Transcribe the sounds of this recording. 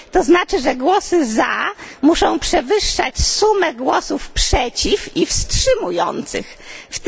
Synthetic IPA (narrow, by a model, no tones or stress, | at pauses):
t̪ɔznat͡ʂɘʐɛɡwɔsɘzamuʂɔ̃w̃pʂɛvɘʂːa̰t͡ɕsumɛɡwɔsufpʂɛt͡ɕififstʂɘmujɔ̰nt̪sɘ̰x | ft̪